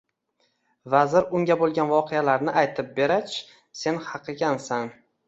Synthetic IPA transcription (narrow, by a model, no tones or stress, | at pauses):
vazɪɾʊŋɡʲabolˠɡʲanvɒqʰealaɾnɪʔajt̪ʰɪp̚be̞ɾat͡ʃʰ | se̞nhɑqʰɨɡʲansan